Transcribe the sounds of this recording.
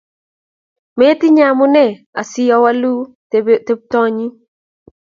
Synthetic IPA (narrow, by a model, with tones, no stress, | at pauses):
me˦ti˦ɲa˦mʊ˦nɛ˦˨ | a˨sɪ˨jɔ˨˦wa˦lu˦ | te˦b̚tɔ˦ɲi˦